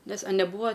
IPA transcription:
nʲɛs ɐ nʲɛˈbuːʋɐ

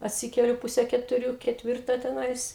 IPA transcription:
ɐtʲˈsʲɪkʲɛlʲʊ ˈpʊsʲɛ kʲɛtʊˈrʲuː kʲɛtʲˈʋʲɪrtɑː tʲɛˈnɐɪs

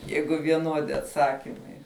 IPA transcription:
ˈjɛɪɡʊ ʋʲiɛˈnuɔdʲɪ ɐtˈsɑːkʲɪmɐɪ

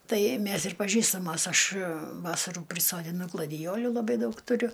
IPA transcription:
ˈtɐɪ ˈmʲæs ɪr pɐˈʒʲiːstɐmoːs ˈɐʃ ˈʋɑːsɐruː pʲrʲɪsoːdʲɪˈnʊ ɡlˠɐdʲɪˈjoːlʲuː lˠɐˈbɐɪ ˈdɐʊk tʊˈrʲʊ

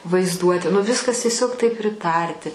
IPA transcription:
ʋɐɪzˈduɔtʲɪ nʊ ˈʋʲɪskɐs tʲiɛˈsʲoːk tɐɪp pʲrʲɪˈtɐrʲtʲɪ

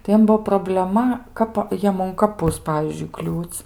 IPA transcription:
tɐɪ ˈjiɛm ˈbʊʋoː proːbʲlʲɛˈmɐ ˈkɑːpɐ ˈjiɛm ʊn kɐˈpʊs ˈpɑːʋʲiːzʲd͡ʒʲʊɪ ˈklʲuːt͡sʲ

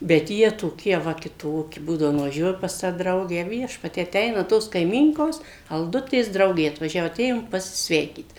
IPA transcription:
bʲɛt ˈjiɛ toːˈkʲiɛ ˈʋɐ kʲɪˈtoːkʲɪ ˈbuːdɐʋoː nʊʋɐˈʒʲuɔjʊ pɐs ˈtɑː ˈdrɐʊɡʲæː ˈʋʲiɛʃpɐtʲiɛ ɐˈtʲɛɪnɐ toːs kɐɪˈmʲiːŋkoːs ɐlˠˈdʊtʲeːs ˈdrɐʊɡʲeː ɐtʋɐˈʒʲæːʋoː ɐˈtʲeːjoːm pɐsʲɪˈsʲʋʲɛɪkʲiːt

